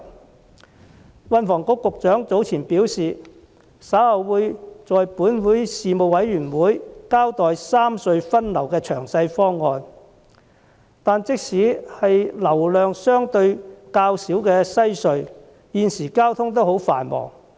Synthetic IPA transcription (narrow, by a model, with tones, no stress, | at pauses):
wɐ˧nfɔː˨˩ŋkʊ˧˥kːʊ˨k̚t͡sœː˨˥ŋt͡so˨˥wt͡sʰiː˨˩npiː˨˥wsiː˨ | sɐ˨˥whɐ˨wːuː˨˧jt͡sɔː˨jpuː˨˥nwuː˨˥jsiː˨mo˨wwɐ˨˥jːyː˨˩nwuː˨˥jkaː˥wt̪ɔː˨jsaː˥msɵ˧ɥfɐ˥nlɐ˨˩wkɛː˧t͡ʃʰœː˨˩ŋsɐ˧jfɔː˥ŋːɔː˨˧n | t̪aː˨nt͡sɪ˥k̚siː˨˥hɐ˨jlɐ˨˩wlœː˨ŋsœː˥ŋt̪ɵ˧ɥkaː˧wsiː˨˥wkɛː˧sɐ˥jsɵ˧ɥ | jiː˨˧nsiː˨˩kaː˥wt̪ʰʊ˥ŋt̪̬o˥who˨˥wfa̰ː˨˩nmɔ̰ː˨˩ŋ